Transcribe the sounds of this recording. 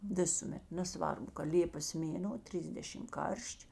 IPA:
ˈʋʲɪsʊˌmʲɛt nʲɛˈsʋɐrbʊ kɐ ˈlʲeːpɐs ˈmʲeːnoː ˈtʲrʲɪiːzʲdʲɛʃʲɪm ˈkɐrʲʃʲt͡ʃʲ

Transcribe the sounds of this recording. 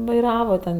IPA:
ʋɐɪˈrɑːʋɐ tʲɛn

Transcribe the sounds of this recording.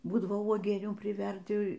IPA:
ˈbuːdɐʋoː uɔˈɡʲiɛnʲuː pʲrʲɪˈʋʲɛrʲdʲɪ

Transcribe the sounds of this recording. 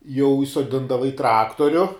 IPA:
jɛʊ iːsoːˈdʲɪndɐʋɐ iː ˈtrɑːktoːrʲʊ

